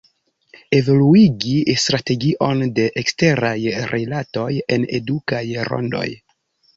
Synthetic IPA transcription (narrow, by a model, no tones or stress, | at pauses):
evo̞luiɡistɾate̞ɡiʔo̞nde̞ʔekste̞ɾajɾʔilato̞je̞ne̞̰dukajɾo̰ndo̞̰j